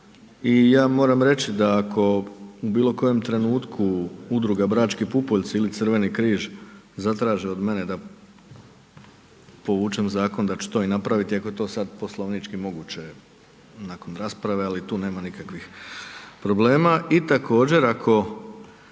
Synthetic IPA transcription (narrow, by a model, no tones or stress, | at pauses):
ijaːmo̞ːɾamɾe̞t͡ɕid̪aːkʰo̞ubiːlˠo̞ko̞je̞mt̪ɾe̞nuːt̪kʰuud̪ɾuɡabɾaːt͡ʃkipupoʎʲt̪silit̪sər̩ʋe̞nikɾiːʒ | zat̪ɾaːʒeo̞d̪me̞ne̞d̪a | po̞ʋuːt͡ʃe̞mzaːko̞nd̪at͡ʃu̥t̪o̞ːinapɾaʋit̪iako̞je̞t̪o̞ːsad̪po̞slˠoʋnit͡ʃkimo̞ɡut͡ɕe̞ | nako̞nɾaːspɾaʋe̞alit̪uːne̞ːmanikakʋix | pɾo̞ble̞ːmaʔit̪akʰo̞ːd͡ʑe̞ɾakʰo̞